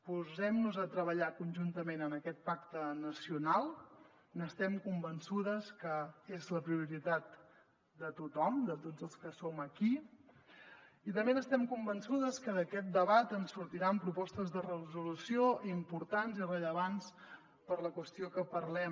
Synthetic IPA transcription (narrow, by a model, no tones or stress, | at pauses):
puzɛmnuzət̪ɾəβəʎakunʲʒunt̪əmenənəkɛt̪̚pakt̪ənəsiunalˠ | nəst̪ɛmkumbənsuðəskəezləpɾiuɾit̪at̪ | d̪ət̪ut̪ɔmd̪ət̪od͡zəlˠskəsoməki | it̪əmbenəst̪ɛmkumbənsuðəskəəkɛt̪̚d̪əβat̪ənsːuɾt̪iɾampɾupɔst̪əzðərəzulusioʔimpuɾt̪anzirəʎəβans | pəɾləkwəst̪iokəpərlɛm